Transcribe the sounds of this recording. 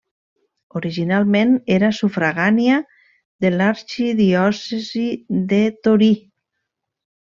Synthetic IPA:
oɾiʒinalˠmeneɾasufɾaɣanja | ðelaɾʃiðiɔseziðet̪oɾi

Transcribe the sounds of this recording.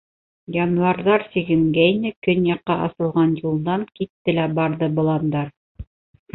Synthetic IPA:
jɑnuɑɾðɑɾsiɡɘ̆ŋɡæinɘkɵnjɑqːɑʔɑ̰sɤ̆lˠʁɑnjulˠd̪ɑŋkit̪ːɘlæbɑɾðɤbŏlˠɑnd̪ɑɾ

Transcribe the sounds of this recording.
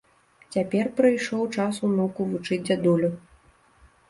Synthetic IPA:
t͡sʲapʲɛrpɾɨjʂɔwt͡ʂasunɔkuvut͡ʂɨd͡zʲd͡zʲad̪ulʲu

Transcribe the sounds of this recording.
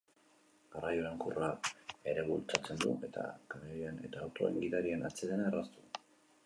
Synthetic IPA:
ɡarajoɾaŋkuraeɾe̞βult͡sat͡se̞nd̪ṵʔe̞t̪ʰa̰kaneɾiane̞t̪aːwt̪o̞ḛŋɡiðaɾienat͡seðenaerast̪u̥

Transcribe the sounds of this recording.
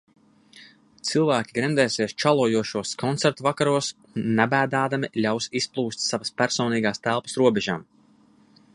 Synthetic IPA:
t̪sɨlˠvæːkʲiɡɾɛnd̪ɛːseɛst͡ʃalˠuɔjuɔʃuɔskɔnt̪sæɾt̪uvakaɾuɔs | nːæbæːd̪aːd̪amilʲawsisplˠuːst̪ʲsavɐspæɾsɔːniːɡaːst̪ælˠpə̥sɾuɔbɛʒaːm

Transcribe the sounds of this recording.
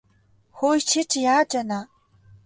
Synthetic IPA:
xojt͡ʃʰɪt͡ʃʰjaːd͡ʒʼɐnaː

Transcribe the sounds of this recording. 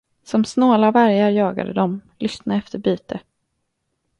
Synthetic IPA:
sɔmsnoːlavæɾjaɾjɑːɡa̰d̪ə̰d̪ɔmlʔʏst̪naɛft̪ʰəɾbyːt̪ə

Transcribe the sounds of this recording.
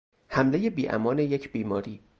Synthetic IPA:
hæmleje̞biːʔæ̰mɒːnejecʰbiːmɒːɾiː

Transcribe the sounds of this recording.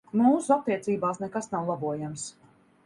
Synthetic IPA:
muːsuat̪̚t̪ːiɛt̪siːbaːsnɛkasnawlˠabuɔjams

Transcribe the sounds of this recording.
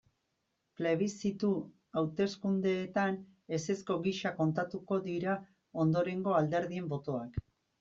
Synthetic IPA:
ple̞βisit̪u | awt̪e̞skund̪e̞ːt̪an | e̞se̞sko̞ɣiʃako̞nt̪at̪uko̞ðiɾa | o̞nd̪o̞ɾe̞ŋɡo̞ald̪e̞ɾðie̞mbo̞t̪o̞ak

